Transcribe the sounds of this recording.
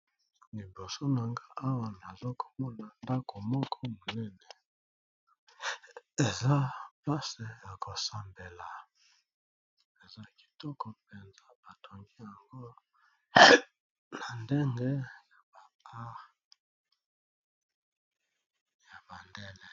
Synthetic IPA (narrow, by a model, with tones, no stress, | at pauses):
li˨bo˨so˦na˨ŋɡa˦ʔa˦wa˨na˨zo˦ko̥˨mɔ˦na˨nda˦kʰo˨mɔ˦kʰɔ˦mo˨nɛ˦ne˨ | e˨za˦pa˦se˨ja˨ko˨sa˨mbe˨la˨ | e˨za˦ki̥˨tɔ˦kɔ˨pe˨nza˦ba˨tʰo˨ŋɡi˦ja˨ŋɡo˦ | na˨nde˦ŋɡe˦ja˨ba˨a˦ | ja˨ba˨ndɛ˦ne˨